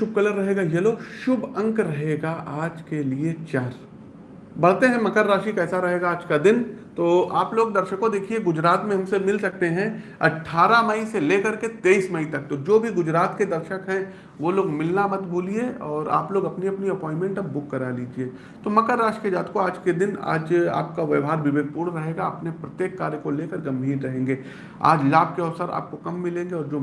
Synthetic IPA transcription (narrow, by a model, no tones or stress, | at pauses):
ʃʊb̚kɐləɾːɐɦeːɡajɐloʃʊbɐ̃ŋkɾɐɦeːɡaʔaːd͡ʒkeliet͡ʃaːɾ | bɐɽt̪eɦɛ̃mɐkəɾːaːʃikɛːsaɾɐɦeːɡaaːd͡ʒkad̪ɪnt̪oːaːploːɡd̪ɐɾʃəkõd̪eːkʰieɡʊd͡ʒɾaːt̪mẽɦɐmsemɪlsɐk̚t̪eɦɛ̃ɐ̰ʈʰːaːɾamɐiseleːkɐɾket̪eːismɐit̪ɐk̚t̪od͡ʒoːbʱiɡʊd͡ʒɾaːt̪ked̪ɐɾʃəkɦɛ̃ | ʋoloːɡmɪlnamɐt̪bʱuːlieɔːɾa̰ːploːɡɐpniɐpniɐpɔ̃ːɪ̃nmɛ̃ɳʈɐpbʊkːɐɾaliːd͡ʒie | t̪omɐkəɾːaːʃʈkiəd͡ʒaːt̪koaːd͡ʒked̪ɪna̰ːd͡ʒa̰ːp̚kaʋɪʋɦaːɾʋɪbeːɡ̪̚puːɽɾɐɦeːɡaɐpnepɾɐt̪jeːkːaːɾjəkoleːkəɾɡɐ̃mbʱiːɾːɐɦẽːŋɡeː | a̰ːd͡ʒlaːb̚keɐːsəɾa̰ːp̚kokɐmːɪlẽːŋɡeɔːɾd͡ʒoː